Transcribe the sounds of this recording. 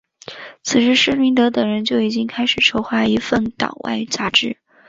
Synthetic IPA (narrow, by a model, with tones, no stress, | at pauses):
t͡sʰɹ̩˨˩ʂɻ̩˥ʂɻ̩˥˩mi˧˥ŋt̪ɤ˧˥t̪ɤ˨˩ŋɻə˧˥nt͡ɕjo˥˩ʊi˨˩t͡ɕi˥ŋkʰa˥ɪʂɻ̩˨˩ʈ͡ʂʰo˧˥ʊxwa˧˥i˧˥fə˥˩nt̪ɑ̰˨˩˦ŋwʔa̰˥˧ɪ˥t͡sa˥ʈ͡ʂɻ̩˥˩